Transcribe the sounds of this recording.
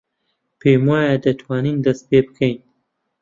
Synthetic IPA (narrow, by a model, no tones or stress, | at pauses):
pʰeːmwaːjad̪ɐt̪ʰwaːniːnd̪ɐs̚peːbɨkʰɐjn